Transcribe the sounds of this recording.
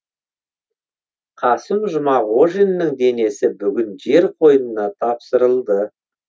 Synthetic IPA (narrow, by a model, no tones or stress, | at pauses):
qʰɑsɪmʒʊmɑʁo̞ʒenːəŋd̪e̞ne̞sɪbʏɡʲɪnʒe̞ɾqʰo̞jənənɑt̪ʰɑpsəɾəlˠd̪ə